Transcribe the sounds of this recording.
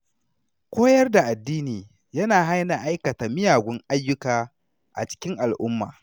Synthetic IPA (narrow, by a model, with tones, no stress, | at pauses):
kʷoː˦jɐ˦rda˨ʔa˨dːiː˦niː˨ | jɐ˦naː˨ɦa˦jna˨ʔa˦jkɐ˨taː˨mɪ˦jaː˨ɡʷʊ˦ŋʔa˦jːʊ˦kaː˨ | ʔa̰˨t͡ʃɪ̥˦kʲɪ˦ŋʔa˨lʔʊ˦mːa̰ː˨